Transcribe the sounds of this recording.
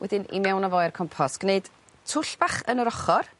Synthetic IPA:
wɛ̰dɪnḭmɛwnɔvɔjɛrkʰɔmpʰɔsɡ̥neɨd̥ | tʰʊɬb̥aχənəɾɔχɔr

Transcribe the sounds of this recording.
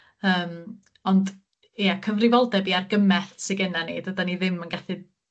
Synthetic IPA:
əːm | ɔnd | iakʰəvrɪvɔlˠdɛbiarɡəmɛθsɪɡɛnanḛːd̥ədaniðɪmənɡaθɨ

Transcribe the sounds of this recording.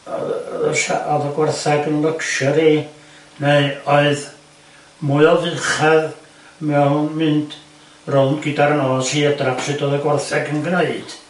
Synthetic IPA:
ɔ̰ðəɬa̰ʔɔðəɡwɛrθɛɡənlˠəkʃɔɾi | neɨɔɨð | mʊɨɔvɨχað | mɛnmɨnd | rɔlˠnɡɪdaɾnɔːshiːədrapʰsɨdoːðəɡwɛrθɛɡənɡneɨd̥

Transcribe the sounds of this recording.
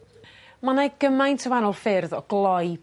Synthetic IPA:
manaɡəmajntʰəvanɔlˠfɪrðɔɡ̥lˠɔj

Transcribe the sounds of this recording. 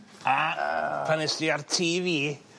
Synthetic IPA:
a | anɪstiartʰiːviː

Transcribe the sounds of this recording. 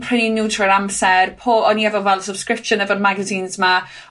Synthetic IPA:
pʰr̥ɪninuːtʰrəɾamsɛrpʰoːɔniɛvɔvɛlˠsəb̥skɹɪpʃənɛvɔdmaɡəzinzma

